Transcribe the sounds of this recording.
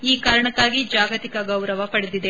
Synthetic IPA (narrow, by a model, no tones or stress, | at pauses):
iːkaːɾɐɳɐkːaːɡid͡ʒaːɡɐt̪ikɐɡɐwɾɐʋɐpɐɽed̪id̪e̞